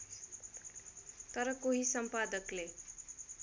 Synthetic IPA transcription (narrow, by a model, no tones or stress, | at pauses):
t̪ʌɾʌkoɦisʌmpad̪ʌkle